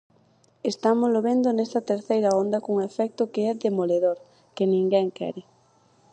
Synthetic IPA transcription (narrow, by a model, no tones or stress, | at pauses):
est̪amʊzloβend̪ʊnɛst̪ɐt̪eɾθejɾɐond̪ɐkoŋefɛk̚t̪ʊkeɛðemoleðoɾ | kɪnĩŋɡɛŋkɛ̰ɾɪ